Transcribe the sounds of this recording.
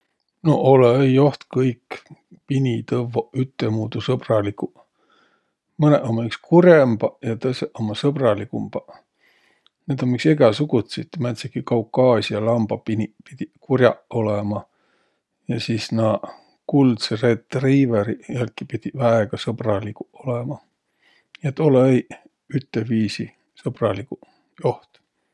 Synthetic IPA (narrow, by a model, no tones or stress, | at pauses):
no̞̰ʔoleejo̞ht̪kɤjkː | pinʲit̪ɤvoyt̪ːemuːt̪usɤb̥rɑliku | mɤneʔomːɑykskurjemb̥ɑjɑt̪ɤseʔomɑsɤb̥rɑlikumb̥ɑ | ned̪̥o̞mikseɡ̥ɑsuɡ̥ut̪sit̪ːmæt̪sekikɑukːˑɑːsʲijɑlɑmb̥ɑpinʲipid̪̥ʲikurʲjɑ̰ʔo̞lemɑ | jɑsiːsnɑ | kuld̪seret̪ːriːveɾijælkːipid̪̥ʲivæeɡ̥ɑsɤb̥rɑlikuolemɑ | et̪ːolei | yt̪ːˑeviːsi | sɤb̥rɑliku | jo̞ht̪